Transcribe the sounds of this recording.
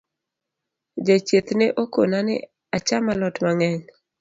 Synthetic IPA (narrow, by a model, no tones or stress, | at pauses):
d͡ʒet͡ʃet̪neʔokonanɪ̰ | at͡ʃamalɔtmaŋɛɲ